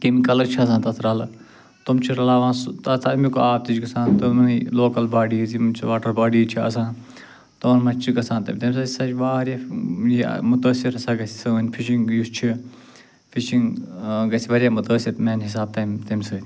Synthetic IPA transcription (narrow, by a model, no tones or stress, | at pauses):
kimikɐlɐɾt͡ʃʰiɐs̬ãːt̪ɐt̪ʰɾaːl | t̪umt͡ʃʰiɾɐlaːʋãːnst̪ɐt̪ʰɐmikoaːb̚t̪it͡ʃɡɐsãːnt̪ɐmɐloːkɐlbaːɖiːzimt͡ʃʰiʋaːʈɐɾbaːɖiːt͡ʃʰiɐ̰s̬ãː | t̪oːnmɐ̃t͡ʃt͡ʃʰiɡɐsãːnt̪ɐmʲt̪ɐmʲsɐːsaːt͡ʃʋaːɾjajḭmʊt̪əːsiɾɐsaːɡɐsi̥sɐnʲfʰiʃiŋɡjust͡ʃʰi | fʰiʃiŋɡɡɐsʲiʋɐɾjaːmʊt̪əːsiɾmeːnɦis̬aːb̚t̪ɐːmt̪ɐmʲsɐːt̪ʲ